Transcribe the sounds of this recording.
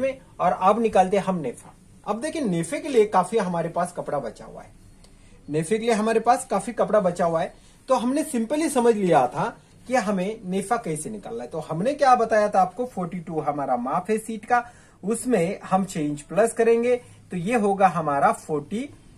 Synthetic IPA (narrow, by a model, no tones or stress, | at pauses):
mẽ | ɔːɾaːbnɪkaːlt̪ẽɦɐmneːfʰa | ɐb̚d̪eːkʰieneːfekelijekaːfiɦɐmaːɾepaːskɐpɽabɐt͡ʃa̰ɦṵa̰ɦɛː | neːfekelieɦɐmaːɾepaːskaːfikɐpɽabɐt͡ʃaɦuwaɦɛː | t̪oɦɐmnesɪ̃mpəlɦisɐməd͡ʒʱlijat̪ʰa | kiɦɐmẽneːfakɐisenɪka̰ːlːaɦɛt̪oɦɐmnekjaːbɐt̪aːjat̪ʰaːp̚kofɔːɾʈiʈuɦɐmaːɾamaːpʰɦɛsiːʈka | ʊsmẽhɐmt͡ʃẽːɲd͡ʒplɐskɐɾẽːŋɡe | t̪ojeɦoːɡaɦɐmaːɾafʰoːɾʈi